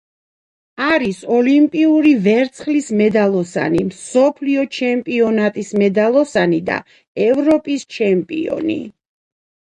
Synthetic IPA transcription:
aɾisɔlimpʼiuɾivɛɾt̪sʰχlismɛd̪alˠɔsa̰nimsɔpʰliɔt͡ʃʰɛmpʼiɔnat̪ʼismɛd̪alˠɔsanid̪a̰ | ɛvɾɔpʼist͡ʃʰɛmpʼḭɔ̰nḭ

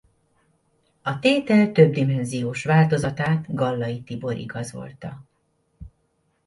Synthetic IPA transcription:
ɒt̪eːt̪ɛlt̪øb̚d̪imɛnzijoːʃʋaːlt̪o̞zɒt̪aːt̪ɡɒlːɒjit̪ibo̞ɾʔḭɡɒzo̞̰lt̪ɒ

